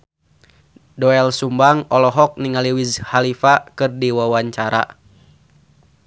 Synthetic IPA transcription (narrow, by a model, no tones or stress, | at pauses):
dɔɛlsumbaŋɔlɔɦɔk̚niŋaliwizhalifakɨrdiwawaɲt͡ʃaɾa̰